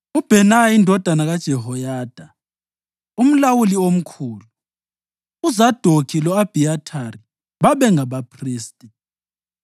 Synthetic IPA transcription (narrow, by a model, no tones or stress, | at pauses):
ub̥ʱɛnaindʱɔd̥ʱanaɣad̥ʒ̥ʱɛɦɔjaːd̥ʱa | um̩lawuliom̩kʰuːluu | uzad̥ʱokʰilɔab̥ʱiatʰari | βaβɛŋaβapʰriːstʼi